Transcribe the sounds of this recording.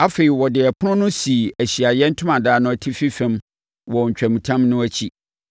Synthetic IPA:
a˦fe˨i˨wɔ˨dɪ˨ɛ˨pʰʊ˦nʊ̃˦nʊ̃˦si˨æ˨ɕi˨a˨jɛ˦n̩˦tʰʊ̃˦mã˨daː˦nʊ̃˦æ˨tʰi˦fi˦fɛ̃˦m | wɔ˨ɲ̩˨t͡ɕᶣɛ̃˨mũ˨tʰã˦mnʊ̃˦æ˦t͡ɕʰi˦

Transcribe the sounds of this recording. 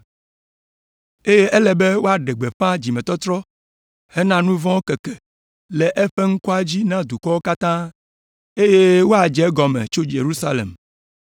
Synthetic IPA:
e˦je˦ʔɛ˦lɛ˨be˦wo˦a˨ɖɛ˨ɡ͡be˨ɸã˦d͡ʑi˨mɛ̃˨t̪ɔ˦t̪ɾɔ˦ | hɛ˦nã˦nũ˦vɔ̃˦wo˦kɛ˨kɛ˨ | lɛ˨ʔɛ˦ɸɛ˦ŋ̩˦kɔ˦a˦d͡ʑi˦nã˦d̪u˨kɔ˦wo˦ka˦t̪ã˦ | e˦je˦wo˦a˨d͡ʒɛ˨˦ɡɔ˨mɛ̰̃˨t͡ʃo˦d͡ʒe˨ɾu˦sa˦lḛ˨m

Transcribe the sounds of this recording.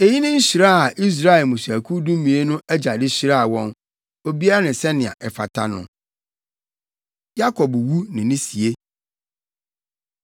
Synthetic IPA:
e˨ji˦nɪ̃˦n̩˦ɕi˨ɾa˦˨a˨ʔi˦s̬ɾa˦ɛ˨mũ˨sæ˨kʰu˦dũ˦mĩ˨e˦nʊ̃˦ʔæ˦d͡ʑa˨dɪ˦ɕi˨ɾa˦a˨wɔ̃˦n | o˦bi˦a˦a˦nɪ̃˨sɛ˦nɪ̃˨a̰˨ʔɛ˨fa̰˨tʰa̰˦nʊ̰̃˨ | ja˦kʰɔ˨bwu˦nɪ̃˨nɪ̃˦si˨e˦

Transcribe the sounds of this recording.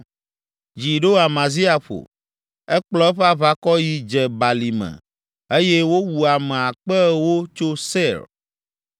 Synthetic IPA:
d͡ʒi˨ɖo˦a˨mã˨zi˦a˨ɸo̰˨ | ɛ˦k͡plɔ˦ɛ˦ɸɛ˦a˦βa˦kɔ˦ji˦d͡ʒɛ˨ba˨li˨mɛ̰̃˨ | e˦jɛ˦wo˦wu˨a˨mɛ̃˨a˨k͡pɛ˦wo˦t͡ʃo˦se˦˨ɾ

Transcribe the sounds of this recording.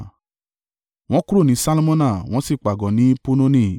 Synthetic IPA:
w̃ɔ̃˦ku˦ɾo˦˨nĩ˨˦sa˦lo˦mɔ̃˦na˦˨w̃ɔ̃˦si˦˨k͡pa˨ɡɔ˨˦nĩ˨˦pu˦no˦nĩ˦˨

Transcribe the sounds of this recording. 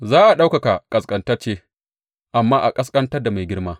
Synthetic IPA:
zaː˦ʔa˨ɗa˦wka˨ka˨kʼɐ˨skʼɐ˨ntɐ˦rt͡ʃeː˦ | ʔa˨mːaː˦ʔa˨kʼɐ˦skʼɐ˦ntɐ˦rda˨ma˨jɡʲɪ˦ɽmaː˦

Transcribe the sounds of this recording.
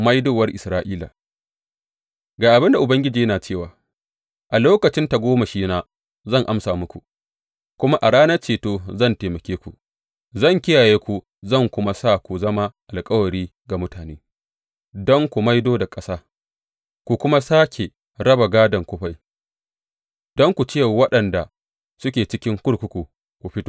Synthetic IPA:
ma˦jdoː˦˨wɐ˦rʔɪ˨sɾaː˦ʔiː˦la̰˨ | ɡaː˨ʔa˨bɪ˦nda˨ʔʊ˨bɐ˦ŋɡʲɪ˦d͡ʒiː˨jɐ˦naː˨t͡ʃeː˦˨waː˨ | ʔa˨loː˦kɐ˨t͡ʃɪ˦nta˨ɡʷoː˦ma˨ʃiː˦naː˦ | zɐ˦˨ŋʔa˦msaː˨mʊ˦kʷu˨ | kʷʊ˦ma˦ʔa˨ɽaː˦nɐ˦rt͡ʃeː˨toː˦zɐ˦˨nteː˨mɐ˨kʲeː˦kʷu˨ | zɐ˦˨ŋkʲɪ˦jaː˨jeː˦kʷu˨ | zɐ˦˨ŋkʷʊ˦ma˦sa˦˨kʷu˨zɐ˦ma˦ʔa˨lkʼɐ˦wɐ˨ɾiː˦ɡa˨mʊ˦taː˨neː˦ | dɔ˦ŋkʷu˨ma˦jdoː˦da˨kʼɐ˦saː˦ | kʷu˨kʷʊ˦ma˦saː˦kʲe˨ | ɽɐ˦ba˨ɡaː˦dɐ˨ŋkʷʊ˦ɸa˦j | d̥ɔ˦ŋkʷu˨t͡ʃeː˦˨wɐ˦ɗɐ˨nda˨ | sʊ˦kʲeː˨t͡ʃɪ˦kʲɪ˦ŋkʷʊ˦ɽkʷʊ˦kʷu˨ | kʷu˨ɸɪ˦to˦

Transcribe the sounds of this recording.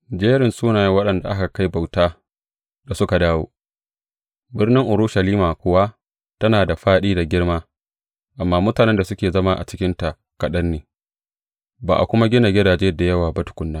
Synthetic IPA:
d͡ʒeː˦ɾɪ˨nsuː˦naː˨ja˦wɐ˦ɗɐ˨nda˨ʔa˦ka˨ka˦jba˨wtaː˦ | da˨sʊ˦ka˨daː˦wo̰ː˦ | bɪ˦rnɪ˦ŋʔʊ˨ɾʊ˦ʃa˨liː˦maː˨kʷʊ˦wa˦ | tɐ˦naː˨da˨ɸaː˦ɗiː˦da˨ɡʲɪ˦ɽmaː˦ | ʔa˨mːaː˦mʊ˦taː˨nɛ˦nda˨sʊ˦kʲeː˨zɐ˦ma˦ʔa̰˨t͡ʃɪ˦kʲɪ˦nta˨ʔ | kɐ˨ɗɐ˦nːeː˨ | baː˨ʔa̰˨kʷʊ˦ma˦ɡʲɪ˦na˨ɡʲɪ˦daː˨d͡ʒeː˦da˨jɐ˦waː˨bɐ˦tʊ̥˨kʷʊ˦nːaː˦

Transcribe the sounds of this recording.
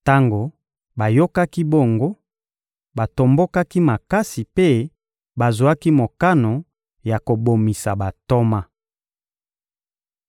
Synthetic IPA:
ta˦ŋɡo˨ | ba˨jo˦ka˦ki˦bo˦˨ŋɡo˦ | ba˨to˨mbo˦ka˦ki˦ma˨ka˦si˨pe˦ | ba˨zu˨a˦ki˦mo˨ka˦no˨ | ja˨ko˨bo˨mi˨sa˨ba˨to˦ma˦

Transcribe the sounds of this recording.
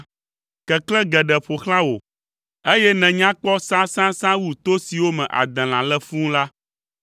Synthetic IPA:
kɛ˨klɛ̃˦ɡɛ˨ɖɛ˨ɸo˨xlã˦wo̰˨ | e˦jɛ˦nɛ̃˨ɲã˦k͡pɔ˦sã˦sã˦sã˦wu˦t̪o˦si˨wo˦mɛ̰̃˨ʔa̰˨d̪ɛ̃˨l̃ã̰˨lɛ˦fũ˦la˦

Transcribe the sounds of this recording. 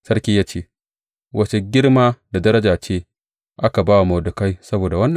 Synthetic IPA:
sɐ˦ɾkʲiː˦jaː˦t͡ʃeː˦˨ | wʔɐ˨t͡ʃe˨ɡʲɪ˦ɽmaː˦da˨dɐ˦ɾɐ˦d͡ʒaː˨t͡ʃeː˦ | ʔa˦ka˨baː˦wa˨mɐ˨dʊ˨ka˦jsɐ˦boː˨da˨wɐ˦nːɐ˨

